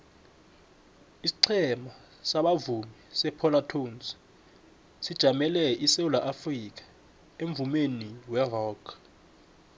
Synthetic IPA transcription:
isi̥ǀʰɛma | saɓavumisɛpʰɔlatʰons | sid̥ʒ̥ʱamɛlɛʔisewulaʔafrik̬ʰʼḁ | eɱvumeniwɛrɔːkʰ

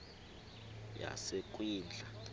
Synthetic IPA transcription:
ja̰sek̬ʼwiːnd͡ɮʱa

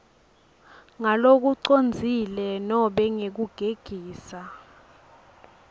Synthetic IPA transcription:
ŋalok̬uǀond͡zʱilɛnɔɓɛŋek̬uɡ̥ʱeɡ̥ʱiːsa

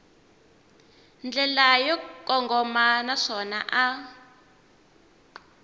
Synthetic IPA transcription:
nd͡ɮɛlajɔkʼɔŋɡɔmanaʂɔnaʔa

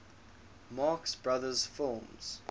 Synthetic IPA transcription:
mɑːˑksbɹaðəz̥fɪlˠmz̥

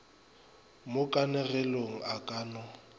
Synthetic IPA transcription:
mʊkʼanɛɣɛloŋ̩akʼaːnɔ

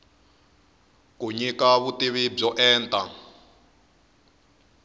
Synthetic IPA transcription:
kuɲikaβutiβib͡ʐɔʔɛːntʼa

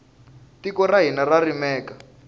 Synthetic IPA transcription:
tikɔraɦinararimɛːka

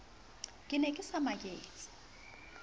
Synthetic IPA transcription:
kʼɪnɛkʼɪsamakʼeːt͡sʼi̥

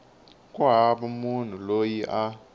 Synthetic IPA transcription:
kʼwaɦaɓamun̤ulojiʔa

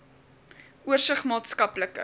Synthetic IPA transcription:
uərsəχmɑːtskɐpləkə̰

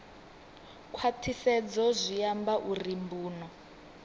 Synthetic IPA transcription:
kʰwatʰisɛd͡zɔzʷijambaʔurimbuːnɔ

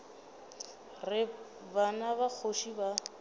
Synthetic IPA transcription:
rɪ | banabak͡xʰoʃiba

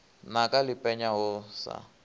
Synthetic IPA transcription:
nakʼalɪpʼɛɲaɦʊsa̰

